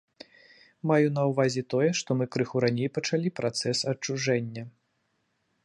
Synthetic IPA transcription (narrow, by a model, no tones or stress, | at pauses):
majun̪ɐwvazʲɛt̪ɔjɛʂt̪ɔmɨkɾɨxuɾanʲejpɐt͡ʂalʲipɾʔat̪sɛsɐt͡ʂːuʐɛnʲːɐ